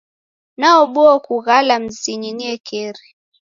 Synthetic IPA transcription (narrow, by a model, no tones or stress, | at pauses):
naɔɓɔɔkuɣalam̩ziɲiniɛkʰɛɾi